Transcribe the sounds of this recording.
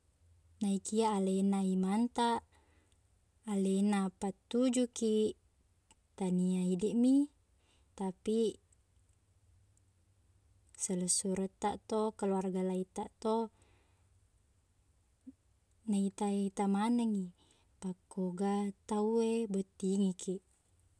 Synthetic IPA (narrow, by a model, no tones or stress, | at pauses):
naikiaʔːlenaimant̪aʔ | lenapat̪ːud͡ʒuki | t̪aniaidiʔmi | t̪api | sələsuɾət̪ːaʔt̪okəluarɡalait̪aʔt̪o | nait̪ait̪amanəŋi | pakːoɡat̪auebət̪ːiŋikʰiʔ